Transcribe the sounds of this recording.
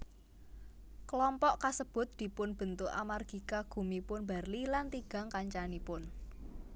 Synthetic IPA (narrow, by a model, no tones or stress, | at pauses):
kəlɔmpɔʔkasəb̥ʊ̤t̪̚d̪̥i̤pʊnb̥ə̤nt̪ʊʔa̰marɡ̥i̤kaɡ̥ṳmipʊnba̤rlilant̪iɡ̥a̤ŋkaɲt͡ʃanipʊn